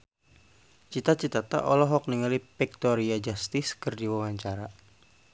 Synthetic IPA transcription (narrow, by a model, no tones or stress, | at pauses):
t͡ʃit̪at͡ʃit̪at̪a̰ʔɔlɔɦɔk̚niŋalipɛk̚t̪ɔɾiad͡ʒast̪ɪskɨrdiwawaɲt͡ʃaɾa